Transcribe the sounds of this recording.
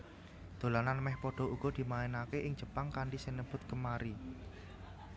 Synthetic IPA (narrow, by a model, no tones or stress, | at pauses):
d̪̥o̤lananmɛhpɔɖ̥ɔ̤uɡ̥ɔ̤d̪̥i̤maɛnakeʔɪŋd͡ʒ̥ə̤paŋkaɳɖisinəb̥ʊ̤t̪̚kəmaɾi